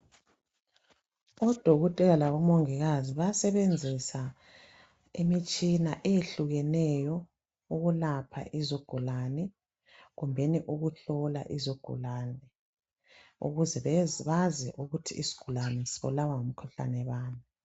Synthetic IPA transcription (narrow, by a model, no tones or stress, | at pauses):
ɔd̥ʱoɣɔtʼɛɣalaβɔmoŋiɣaziβasɛβend͡zʱisa | emit͡ʃʼinaʔejeɬuɣɛnɛjɔ | uɣulapʰa̰ʔizoɡ̥ʱulanɛ | ɣumbʱɛniʔuɣuɬɔla̰ʔizoɡ̥ʱṵlanɛ | ṵɣuzɛββazɛʔuɣutʰiːsi̥ɡ̥ʱulanɛsiβɔ̰lawaŋom̩kʰuɬa̰nɛβaːni